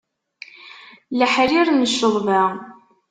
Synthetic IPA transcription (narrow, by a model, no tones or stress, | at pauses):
ləħɾiɾnəʃːəʁvæ